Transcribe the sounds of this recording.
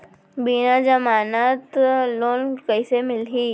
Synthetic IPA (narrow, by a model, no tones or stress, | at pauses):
binad͡ʒɐmaːnat̪loːnkəisemɪlɦiː